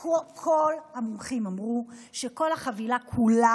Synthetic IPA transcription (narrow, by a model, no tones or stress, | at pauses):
okʰolhamumχimamʁuʃeko̞lhaχavilakʰula